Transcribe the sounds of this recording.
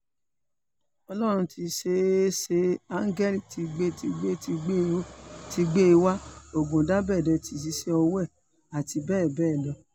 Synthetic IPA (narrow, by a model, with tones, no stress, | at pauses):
ɔ˧lɔ˦ɾ̃ũ˧ti˧ʃe˧˦se˧a˦ŋ̩˦ɡɛ˦li˦˨ti˧ɡ͡be˦ti˧ɡ͡be˦i˧˦ti˧ɡ͡be˦˧wa˦o˨ɡõ˨da˦bɛː˦˨dɔ˧ti˧˨s̬i˧˦ʃe˦ɔ˧wɛ˦˨ | a˨ti˧bɛː˦˨bɛː˦˨dɔ˧˦